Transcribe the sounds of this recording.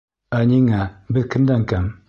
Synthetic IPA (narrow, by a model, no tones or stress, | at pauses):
aɲiŋabɘðkənd̪aŋkam